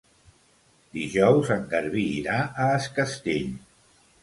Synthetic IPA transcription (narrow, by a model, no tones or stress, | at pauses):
d̪iʒɔwzəŋɡəɾβiːɾaʔəːskəst̪eʎ